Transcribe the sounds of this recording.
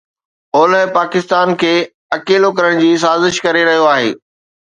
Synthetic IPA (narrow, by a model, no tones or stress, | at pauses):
ɔːləɦpaːkɪst̪aːnkʰeː | ɐkeːlokɐɾəɽ̃d͡ʑiːs̬aːzɪʃkɐɾeɾɐɦijoaːɦḛː